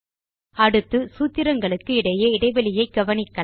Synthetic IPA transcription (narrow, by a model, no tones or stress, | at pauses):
ɐɽɯt̪ːɯsuːt̪ːɪɾɐŋɡɐɭɯkːɯɪɽɐjɐɪɽɐɪʋɐlɪjɐɪɡɐʋɐnɪkːɐ